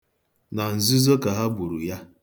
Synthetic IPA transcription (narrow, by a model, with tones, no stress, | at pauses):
na˨n̩˨zɪ˦zo˦ka˨ɦa˦bu˨ɾu˨ja˦